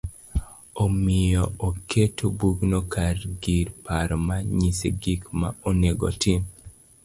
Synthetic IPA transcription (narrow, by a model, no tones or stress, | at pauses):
omɪjɔokʰetʰobuɡnɔkaɾɡiɾpaɾɔmaɲisḛɡikmaoneɡo̰tim